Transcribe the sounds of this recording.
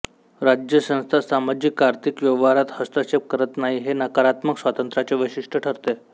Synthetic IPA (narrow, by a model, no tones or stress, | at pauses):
ɾad͡ʑjəsə̃w̃st̪ʰasamad͡ʑikːaɾt̪ikʋjeʋaɾat̪həst̪əɕep̚kəɾət̪naɦiɦenakaɾat̪məksʋat̪ənt̪ɾat͡ɕeʋəjɕiʂʈʰəʈʰəɾt̪e